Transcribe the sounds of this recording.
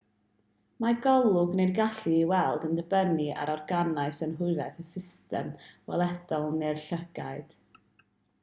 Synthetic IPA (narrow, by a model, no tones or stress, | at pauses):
maɡɔlˠʊɡnejdɡaɬiːwɛlˠdəndəbənia̰ɾɔrɡanaɨsənɦʊɨɾɛθəsɪstɛ̰mvɛlˠɛd̥ɔlˠnɛrɬəɡ̥aɨd̥